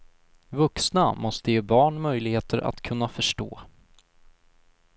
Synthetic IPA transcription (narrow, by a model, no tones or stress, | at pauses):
vɵksnamɔst̪əjeːbɑːɳmœjlɪɡheːt̪ʰəɾa̰t̪kʰɵn̪ːafœʂʈo̰ː